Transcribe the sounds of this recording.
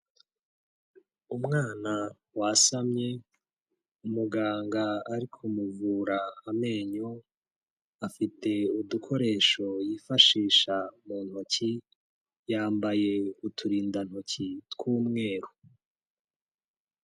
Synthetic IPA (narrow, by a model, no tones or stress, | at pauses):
umŋaːna | wasamɲe̞ | umuɡaːŋɡaaɾikʰumuvuɾaame̞ːɲo̞ | afitʰe̞udukʰo̞ɾe̞ːʃo̞jiːfaʃiːʃamuːn̥ho̞ci | jaːmbaje̞utʰuɾiːndan̥ho̞citkuːmŋe̞ːɾu